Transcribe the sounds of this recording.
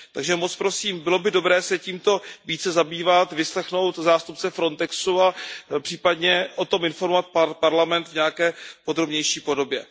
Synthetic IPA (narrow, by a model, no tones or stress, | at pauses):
t̪aɡʒɛmot͡spɾo̞siːmbɪlo̞bɪdo̞bɾɛːsɛciːmt̪o̞viːt͡sɛzabiːvat̪vɪslɛxno̞wt̪zaːst̪up̚t͡sɛfɾo̞nt̪ɛksuapr̥iːpadɲɛʔo̞t̪o̞mɪnfo̞ɾmovat̪̚ppaɾlamɛnt̪vɲɛakɛːpo̞d̪ɾo̞bɲɛjʃiːpo̞do̞bjɛ